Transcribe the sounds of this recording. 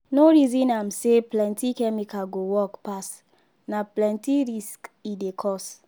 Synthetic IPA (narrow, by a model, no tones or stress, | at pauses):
noɹizĩnamseplɛ̃ntikɛmikaɡowɔkpas | naplɛ̃ntiɹiskidekʰɔs